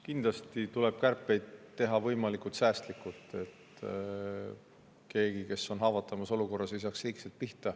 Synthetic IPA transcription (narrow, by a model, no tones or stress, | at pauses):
kind̪lɑst̪it̪ule̞b̥̚kærpːˑe̞jd̪̥t̪ːe̞ɦɑvɤjmɑlikːˑult̪sæːst̪likːˑult̪ːˑe̞t̪ | ke̞ːɡ̥ike̞so̞nɦɑːvɑt̪ːˑɑmɑso̞luko̞rːɑsis̬ɑkshijkselt̪̚piht̪ɑ